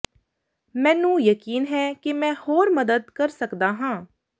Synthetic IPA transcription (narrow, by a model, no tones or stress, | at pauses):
mɛ̃ːnũːjəkiːnɦɛːkɪmɛ̃ːhoːɾməd̪əd̪kəɾsəkd̪aːɦãː